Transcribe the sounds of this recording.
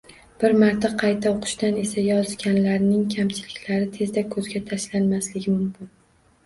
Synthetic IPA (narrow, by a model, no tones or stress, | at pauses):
b̥ɪɾmaɾt̪ʰaqʰɑjt̪ʰaoqʰʊ̥ʃt̪ane̞sajɒzɡʲanlaɾnɪŋkʲʰamt͡ʃʰɪlɪkʲlaɾɪt̪ʰe̞zd̪akʰɵzɡʲat̪ʰaʃlanmaslɪɡʲɪmʊmkʲɪn